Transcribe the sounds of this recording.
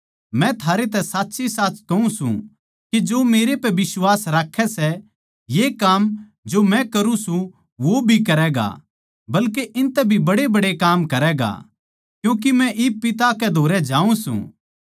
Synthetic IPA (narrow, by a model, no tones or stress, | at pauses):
mɛ̃t̪ʰaːɾet̪̬ɛsaːtːʃisaːt͡ʃkɐũsṵ̃ | kid͡ʒoːmeːɾepɛʋɪswaːsɾaːkʰːɛsɛ | jeːkaːm | d͡ʒomɛ̃kɐɾũsũ | ʋobʱikɐɾɛɡa̰ | bɐlkeʔɪnt̪ɛbʱibɐɽebɐɽekaːmkɐɾɛɡa̰ | kjũːk̬imɛ̃ʔɪpːɪt̪akɛd̪ʱoːɾɛd͡ʒaːũsṵ̃